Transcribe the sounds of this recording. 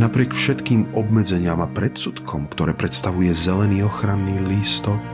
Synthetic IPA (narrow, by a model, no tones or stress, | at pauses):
napɾɪɛkfʃɛt̪kiːmɔbmɛd͡zɛɲɪamapɾɛt̪sut̪kʰɔmkt̪ɔɾɛːpɾɛt̪st̪aʋujɛzɛlɛniːɔxɾanːiːliːst̪ɔ